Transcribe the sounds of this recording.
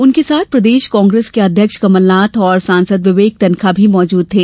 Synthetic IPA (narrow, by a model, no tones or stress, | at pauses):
ʊnkesaːt̪̚ʰpɾɐd̪eːʃkɔ̃ːŋɡɾeːskeɐd̪ʱjəkʃkɐməlnaːt̪ʰɔːɾsãːnsəd̪ʋɪʋeːk̚t̪ɐnkʰabʱimɔːd͡ʒuːd̪̚t̪ʰeː